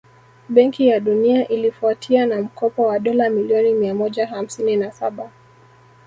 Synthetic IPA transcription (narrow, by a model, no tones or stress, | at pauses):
ɓɛŋkijaɗuniaʔilifuatʰianam̩kɔpɔwaɗɔlamiliɔnimiamɔʄaɦam̩sininasaɓa